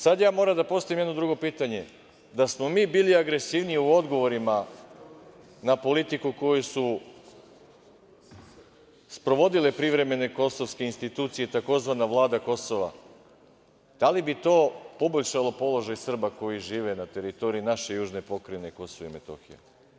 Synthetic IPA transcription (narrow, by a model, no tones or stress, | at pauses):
sad̪jaːmo̞ɾamd̪apo̞st̪aʋimjenod̪ɾuɡo̞piːt̪aɲe̞ | d̪asmo̞miːbiːliaɡɾe̞siːʋniiuo̞d̪ɡo̞ʋo̞ɾima | napo̞lit̪ikuko̞jesu | spɾo̞ʋo̞d̪ile̞pɾiʋɾe̞me̞ne̞ko̞so̞ʋske̞inst̪it̪uːt̪sije̞t̪ako̞zʋanaʋlˠaːd̪ako̞so̞ʋa̰ | d̪̥alibit̪o̞ːpo̞boʎʲʃalˠo̞po̞lˠo̞ʒajsr̩bako̞jiʒiːʋe̞nat̪e̞ɾit̪o̞ɾiinaʃe̞juːʒne̞po̞kɾeneko̞soʋeime̞t̪o̞̰xijḛ